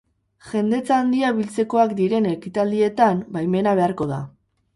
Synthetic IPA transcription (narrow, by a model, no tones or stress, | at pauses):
ʝe̞nd̪e̞t͡saːnd̪iaβilt͡se̞ko̞akd̪iɾe̞ne̞kit̪ald̪ie̞t̪ambajme̞naβ̞e̞aɾko̞ð̞a̰